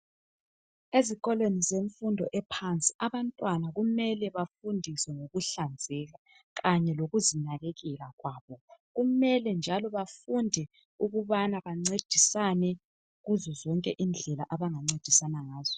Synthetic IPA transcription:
eziɣɔlwenizeɱfundʱɔʔɛpʰant͡sʼi̥aβantʼwanaɣumɛlɛβafundʱiswɛŋoɣuɬand͡zʱɛɣa | ɣaɲɛloɣuzinaɣeɣɛlaɣwaːβɔɣumɛlɛnd͡ʒʱalɔβafundʱɛ | uɣuβanaβaŋ͡ǀed̥ʱisanɛ | ɣuzɔzɔŋkʼɛʔind͡ɮʱɛlaʔaβaŋaŋ͡ǀed̥ʱisanaŋaːz̥ɔ

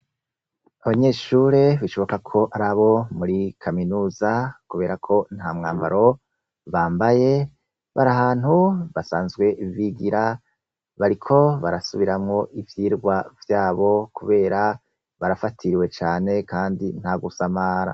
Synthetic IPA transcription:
aβaɲe̞ːʃuːɾe̞βiʃo̞βo̞kakʰo̞ʔaɾaβo̞muɾikʰaminuːzakuβe̞ːɾakʰo̞n̥haːmŋa̰ːmba̰ɾo̞ | βaːmbaje̞ | βaɾaɦaːn̥huβasaːnzɡwe̞viɡiɾa | βaɾikʰo̞βaɾasuβiɾamŋo̞ʔivjiːɾɡwavjaːβo̞kʰuβe̞ːɾa | βaɾafatʰiɾiwe̞t͡ʃaːne̞kaːndin̥haɡusamaːɾa̰

